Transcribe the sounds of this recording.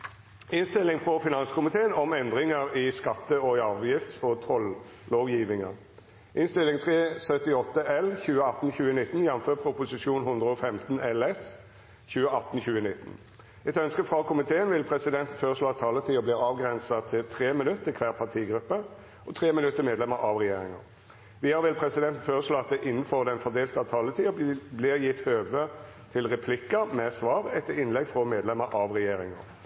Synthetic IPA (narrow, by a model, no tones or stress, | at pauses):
ɪnst̪ɪlːɪŋfʁɔfɪnɑnskʰʊmɪt̪ʰeːənɔmɛnd̪ʁɪŋəɾɪskɑt̪ːəɔɑːʋjɪft̪sɔt̪ʰɔl | loːɡjiːʋɪŋə̰ʁ | ʔɪnst̪ɪlːɪŋt̪ʰʁeːsœt̪ɪɔt̪ːəʔɛlçʉːəɑt̪n̩çʉːənɪt̪ːn̩jɛnmføːpʰɾʊpʊsɪʂuːnɦʊnd̪ʁəɔfɛmt̪n̩ɛlɛs | çʉːəɑt̪n̩çʉːənɪt̪ːn̩ | ɛt̪œnskəfʁɑkʰʊmɪt̪ʰeːənʋɪlpʰʁɛsɪd̪ɛnt̪n̩føːʁəʂloːɑt̪ʰːɑːlət̪ʰiːɔbliːʁɑːʋɡʁɛnsɑt̪ʰɪlt̪ʰʁeːmɪnʉt̪ːəkʰʋæːʁpʰɑt̪ʰiːɡɾʁʉpːə | ɔt̪ʰʁeːmɪnʉt̪ːəmeːd̪lɛməɾʔɑʋʁɛjeːɾɪŋɑ̰ | ʋɪhɑɾʋɪlpʰɾɛsɪd̪ɛnt̪n̩føːʁəʂloːɑt̪̚d̪ɛʔɪnːəfoːʁd̪ɛnfɔd̪eːlt̪əɑʋt̪ʰɑːlət̪ʰiːɔblɪʁjɪft̪høːʋə | t̪ʰɪlʁɛpʰlɪkːɑmɛsʋɑːʁɛt̪ːəɾɪnlɛɡfɾɔmeːd̪lɛməɾʔɑʋʁɛjeːɾɪŋɑ̰ɾ